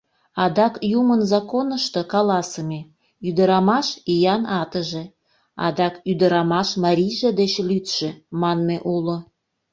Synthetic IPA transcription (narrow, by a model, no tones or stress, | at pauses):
ɑd̪ɑkjumənzɑkonəʃt̪ɤ̆kɑlɑsəme | yd̪əɾɑmɑʃijɑnɑt̪əʒe | ɑ̰d̪ɑkyd̪əɾɑmɑʃmɑɾʲijʒed̪et͡ɕlyt̪ʃĕmɑnmeʔulo